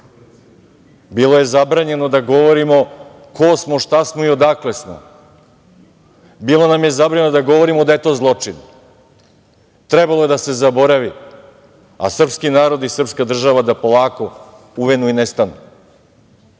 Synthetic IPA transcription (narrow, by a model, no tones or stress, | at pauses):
bilˠo̞je̞zabɾaːɲe̞nod̪aɡo̞ʋoɾimo̞ | kʰosmo̞ʃt̪asmoio̞d̪aklesmo̰ | bilˠonamje̞zabɾaɲenod̪aɡo̞ʋo̞ɾimo̞d̪aje̞t̪o̞ːzlˠo̞t͡ʂin | t̪ɾebalˠoe̞d̪ase̞zabo̞ɾaʋi | a̰sr̩pskinaːɾo̞d̪isr̩pskad̪r̩ʒaʋad̪apo̞lˠaːko̞ | uʋenuinest̪anu